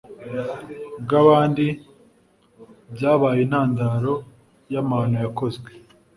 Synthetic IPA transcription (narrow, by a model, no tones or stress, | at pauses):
bɡaβaːndi | bɟaːβaːjenaːndaːɾo̞ | jamaːnojako̞zɡwe